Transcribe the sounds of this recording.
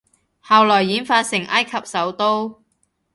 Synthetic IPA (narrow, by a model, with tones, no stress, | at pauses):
haː˨wlɔː˨˩jːiː˨˥nfaː˧t̚sɪ˨˩ŋʔɐ˥jkʰɐ˨p̚sɐ˨˥wt̪o˥w